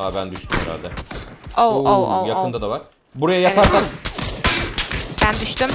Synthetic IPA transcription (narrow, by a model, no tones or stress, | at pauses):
abænd̪yʃt̪ʰymheɾa̰lʲd̪ɛouoojakɯnd̪ad̪avaɾ̥ | buɾajajaaɾt̪ak | bænd̪yʃt̪ym